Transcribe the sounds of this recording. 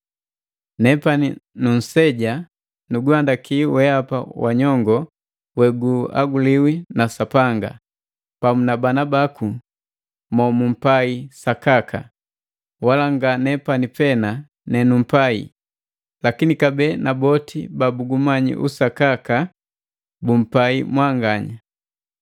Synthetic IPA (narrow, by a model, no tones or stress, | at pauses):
nɛpaninun̩sɛɟa | nuɡuandakʰiwɛapa̰waɲɔŋɡɔ | wɛɡua̰ɡuliwinasapaŋɡa̰ | pamunabanabaku | mɔmum̩paisakakʰa̰ | walaŋɡanɛpanipɛna | nɛnum̩paḭ | lakinikabɛnabɔtʰḭbabuɡumaɲḭʔṵsakaka | bum̩paimwaŋɡaɲa